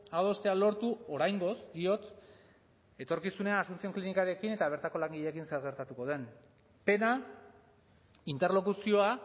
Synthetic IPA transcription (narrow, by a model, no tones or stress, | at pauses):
aðo̞st̪e̞alo̞ɾt̪uo̞ɾajŋɡo̞sɡ̪io̞t̪ | e̞t̪o̞ɾkisune̞aasunt͡sio̞ŋklinikaɾe̞kine̞t̪aβ̞e̞ɾt̪ako̞laŋɡiʎekinseɾɣ̞e̞ɾt̪at̪uko̞ð̞e̞n | pe̞na | int̪e̞ɾlo̞kusio̞a